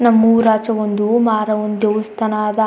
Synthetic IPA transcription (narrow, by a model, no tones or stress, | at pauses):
nɐmːuɾaːt͡ʃɐʋond̪umaːɾɐʋond̪eust̪ɐnaːd̪ɐ